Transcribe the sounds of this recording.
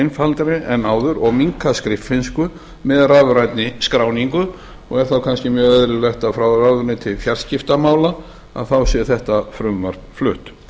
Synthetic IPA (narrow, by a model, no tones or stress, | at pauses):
ɪjnfalt̪ɾɪʔɛnaːwðʏɾɔɣmiŋkaskɾɪfɪnskʏ | mɛðraːvʏɾajt̪nɪskɾaːwniŋkʏ | ɔɣɛɾ̥θawkʰanscɪmjœːɣœðɾɪlɛht̪aðfɾawrawðʏɾnɪt̪ʰɪlfjar̥scɪft̪amaːwla | a̰ðθawsɛ̥θɛht̪afɾʏmːaɾ̥flʏht̪